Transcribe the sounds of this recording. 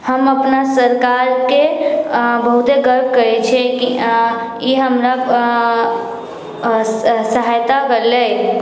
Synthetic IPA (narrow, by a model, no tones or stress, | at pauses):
həməpnasəɾkaɾke | bəɦut̪eɡəɾb̚ʱkəɾet͡ʃʰeki | iɦəmɾa | səɦajt̪akəle